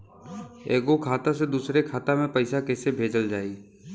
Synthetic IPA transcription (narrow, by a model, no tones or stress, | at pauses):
ḛːɡokʰaːt̪ased̪uːsɾekʰaːt̪amẽpɐɪsakɛːsebʱeːd͡ʒəld͡ʒaːi